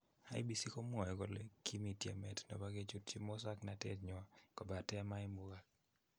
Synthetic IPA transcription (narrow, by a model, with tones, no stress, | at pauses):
a˦i˦bi˨si˦ko˦m˦ɔ˨ɛ˨ɡo˨le˦ki˦mi˨tjɛ̰˨mɛ˨tnɔ̰˨ba˦ɡe˦t͡ʃu˦tt͡ʃi˦mɔ˦sa˦kna˨tɛ̰˦tɲɔ˨a˨kɔ˨ba˨tɛ˦ma˦i˦mu˦ɡa˨k̚